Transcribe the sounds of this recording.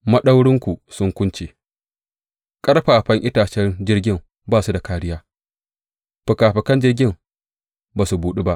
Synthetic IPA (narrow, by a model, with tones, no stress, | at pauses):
mɐ˦ɗa˦wɽɪ˦ŋkʷu˨sʊ˦ŋkʷʊ˦nt͡ʃeː˨ | kʼɐ˦ɽɸaː˨ɸɐ˦ŋʔɪ˦taː˨t͡ʃɛ˦nd͡ʒɪ˦rɡʲɪ˦˨m | baː˦˨su˦da˨kaː˦ɽɪ˦jaː˦ | ɸʊ˨kaː˨ɸɐ˨kɐ˦nd͡ʒɪ˦rɡʲɪ˦m | baː˨su˨buː˨ɗi˦ba˦ʔ